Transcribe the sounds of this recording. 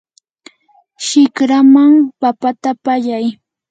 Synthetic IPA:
ʃɪkɾamaŋpapat̪apaʎaj

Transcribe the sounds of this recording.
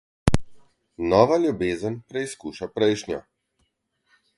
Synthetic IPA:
nɔːʋalʲjubeːzənpɾɛiskuːʃapɾɛjʃnjɔ̰

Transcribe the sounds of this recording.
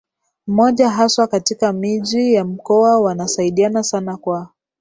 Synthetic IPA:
m̩mɔʄaɦaswakatikamiʄijam̩kɔawanasaiɗianasanakwa

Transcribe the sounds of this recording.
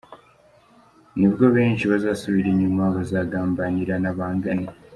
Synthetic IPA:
niβɡoβeːɲt͡ʃiβazaːsuβiɾeɲːimwaβazaːɡaːmbaɲiɾanaβaːŋɡani

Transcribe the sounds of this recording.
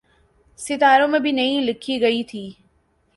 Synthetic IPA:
sɪt̪aːɾõmẽbʱɪnɐĩlɪkʰiɡɐit̪ʰiː

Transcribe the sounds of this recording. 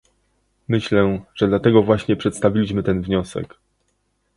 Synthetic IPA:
mɘɕlɛʐ̥ɛd̪lat̪ɛɡɔvwaɕɲɛpʂɛt̪st̪avʲilʲiɕmɘt̪ɛnvɲɔsɛ̰k

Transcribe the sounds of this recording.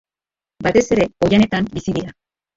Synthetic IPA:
bat̪e̞se̞ɾe̞o̞jane̞t̪ambisiðiɾa

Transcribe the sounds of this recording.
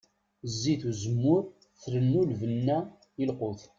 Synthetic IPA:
zːiθuzəmːʊɾ | θɾənːulvənːæ | əlqʊθ

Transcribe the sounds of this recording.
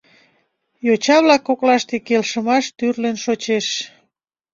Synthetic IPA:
jot͡ɕɑβlɑkːoklɑʃt̪ekelʃəmɑʃt̪yrlenʃot͡ɕeʃ

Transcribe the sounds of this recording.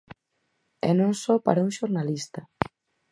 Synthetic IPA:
ɛ̰nõŋsɔpa̰ɾauŋʃoɾnalist̪a

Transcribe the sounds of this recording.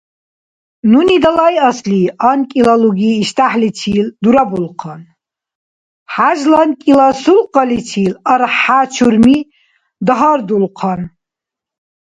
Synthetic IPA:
nunid̪alajɐsliankʼilaluɡiːʃt̪ʰaħlitʰild̪uɾabulqʰan | ħaʒlankʼilasulqʼalit͡sʰiːlarħat͡ʃʰurmi | d̪aɦard̪ulqʰan

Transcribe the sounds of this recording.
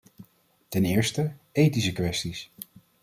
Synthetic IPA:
tɛnɪːɹstəejtisəkʋɛstis

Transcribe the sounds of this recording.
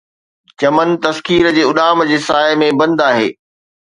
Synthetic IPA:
t͡ɕɐmənt̪ɐskiːɾd͡ʑeːʊɗaːmd͡ʑeːsaːɪmẽbɐ̃nd̪aːɦḛː

